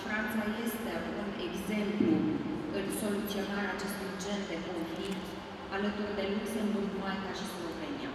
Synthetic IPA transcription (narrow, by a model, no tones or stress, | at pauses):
fɾant̪saje̞st̪e̞uneɡze̞mpluɨlso̞lut̪sio̞naɾeat͡ʃe̞st̪ujd͡ʒe̞nd̪e̞koɱflikt̪ | alət̪urd̪e̞luksəmbulnuajkaʃislove̞nia̰